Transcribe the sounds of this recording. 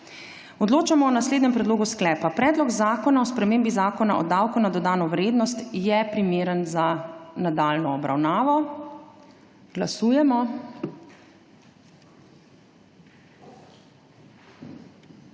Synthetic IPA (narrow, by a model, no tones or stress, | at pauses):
ɔd̪loːt͡ʃamɔɔnasleːd̪nɲɛmpɾɛd̪loːɡusklɛːpapɾɛːd̪lɔɡzaːkɔnaɔspɾɛmeːmbizaːkɔnaʔɔ̰d̪awkunad̪ɔd̪aːnɔʋɾeːd̪nɔst̪jɛpɾimeːɾənzanad̪aːlnɔːbɾa̰wnaːʋɔ | ɡ̥lasuːjɛmɔ